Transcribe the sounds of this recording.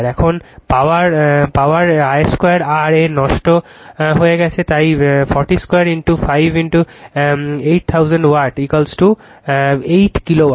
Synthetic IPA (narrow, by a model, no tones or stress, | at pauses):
ɾɛkʰonpawaɾpawaɾajskejaɾaɾenɔʃʈo | ɦojeɡɛt͡ɕʰet̪ajfʰɔɾʈiskojaɾiɳʈufʰajbʱinʈu | ejʈ̚t̪ʰawzaɳɖwaʈikolsʈu | ejʈkilowa